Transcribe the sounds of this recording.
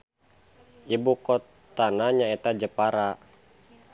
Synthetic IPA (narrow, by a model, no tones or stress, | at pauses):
ibukɔt̪ːanaɲaet̪ad͡ʒəpaɾa